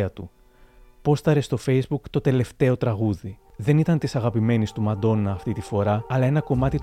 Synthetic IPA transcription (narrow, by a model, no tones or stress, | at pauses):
ɐt̪u | po̞sθɐɾe̞st̪o̞fe̞jzbukt̪o̞t̪e̞le̞ft̪e̞o̞t̪ɾɐɣuði | ðe̞nit̪ɐnt̪isɐɣɐpime̞nist̪umɐd̪o̞nɐːft̪it̪ifo̞ɾɐːlɐe̞nɐko̞mɐt̪it̪